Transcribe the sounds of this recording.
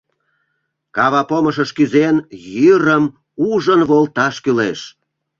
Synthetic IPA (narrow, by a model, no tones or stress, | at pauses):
kɑβɑpoməʃəʃkyzenjyɾəm | uʒənβolt̪ɑʃkyleʃ